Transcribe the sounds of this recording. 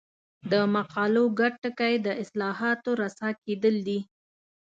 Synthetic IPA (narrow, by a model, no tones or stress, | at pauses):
d̪əmaqɑloɡaʈːəkajd̪əɪslɑɦɑt̪oɾasɑked̪əld̪i